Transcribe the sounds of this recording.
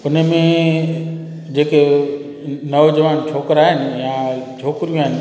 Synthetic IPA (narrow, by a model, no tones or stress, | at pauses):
ʊnəmẽ | d͡ʑeːke | nɐʋod͡ʑɐʋaːnt͡ɕʰoːkəɾaːɦɪnɪ̆jãt͡ʃʰoːkɾijũaːɦɪnɪ